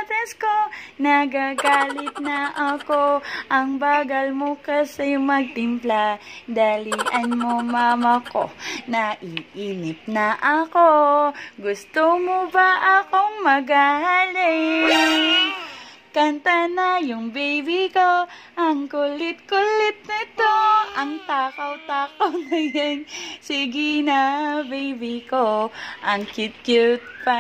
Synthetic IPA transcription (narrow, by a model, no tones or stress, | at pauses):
t̪ɐskonɐɡaɡaːlɪt̪̚nɐʔɐkoʔɐŋbaːɡɐlmokɐsɛmɐɡ̚t̪ɪmplad̪alɪʔɐnmomaːmɐko̰nɐʔiʔiːnɪp̚nɐʔɐkoɡʊst̪omobɐʔɐkoŋmɐɡahalɪ | kɐnt̪anajʊŋbɛjbiko | ʔɐŋkʊlɪt̪̚kʊlɪt̪̚nɐt̪oɐŋt̪akɐwt̪akɐwnɐjɐnsɪɡɪnɐbɛjbɪkoʔɐŋkɪt̪̚kjut̪̚pa